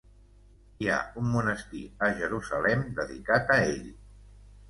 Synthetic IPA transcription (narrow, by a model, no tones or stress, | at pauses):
ia̰umːunəst̪ḭəʒəɾuzəlɛmd̪əðḭkat̪əeʎ